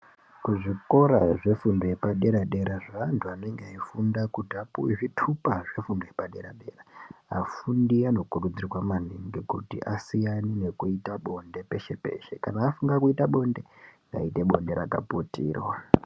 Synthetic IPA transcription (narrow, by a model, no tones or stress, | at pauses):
kuʐiko̞ɾaʐe̞fundojepaɗe̞ɾaɗe̞ɾaʐantʰuane̞ŋɡeaifundakutapuiʐitʰupaʐe̞fundojepaɗe̞ɾaɗe̞raa̰fundiano̞kurud͡zirwaman̤iŋɡikutḭʔasijanine̞kuitaɓo̞nde̞pe̞ʃe̞pe̞̰ːʃe̞kanaːfuŋɡakuitaɓo̞nde̞ŋɡa̰ite̞ɓo̞̰nde̞ɾaka̰putḭːrwa